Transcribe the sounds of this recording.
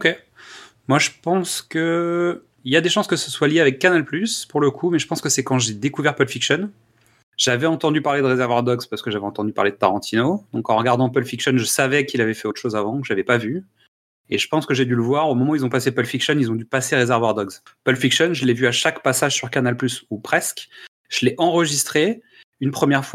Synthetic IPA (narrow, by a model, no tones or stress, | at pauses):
okʲe | mwaʒəpɑ̃skə | iljad̪eʃɑ̃skəsəswaljeavɛkːanalplyspuʁləkʰumɛʒəpɑ̃skəsɛkɑ̃ʒed̪ekuvɛʁpœlfikʃɔn | ʒ̥avɛɑ̃t̪ɑ̃d̪ypaʁled̪əʁezɛʁvwaʁd̪ɔɡz̥paʁsə̥kəʒavɛɑ̃t̪ɑ̃d̪ypa̰ʁled̪ət̪aʁɑ̃t̪ʰinod̪ɔ̃kɑ̃ʁəɡaʁd̪ɑ̃pœlfikʃɔnʒəsavɛkilavɛfɛot̪ʃozavɑ̃kəʒavɛpavy | eʒəpɑ̃skəʒɛd̪yləvwaʁomɔmɑ̃uilzɔ̃pasepœlfikʃɔnilzɔ̃d̪ypaseʁezɛʁvwaʁd̪ɔɡz | pœlfikʃɔnʒəlɛvyaʃakpasaʒsyʁkanalplysupχɛsk | ʒ̥əlɛʔɑ̃ʁəʒist̪χe | ynpχəmjɛʁfwa